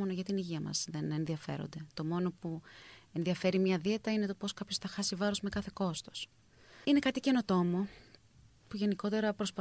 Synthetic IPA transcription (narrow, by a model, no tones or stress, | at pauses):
o̞noʝɐt̪iniʝiɐmɐ̰zðe̞nenðiɐfe̞̰ɾo̰nd̪e̞t̪o̞mo̞no̞pue̞nðiɐfe̞ɾimɲɐðiet̪ɐine̞t̪opo̞skɐpço̞sθɐxɐsivɐɾo̞zme̞kɐθe̞ko̞st̪o̞̥s | ine̞kɐt̪ice̞no̞t̪o̞mo | puʝe̞niko̞t̪e̞ɾɐpɾo̞spɐ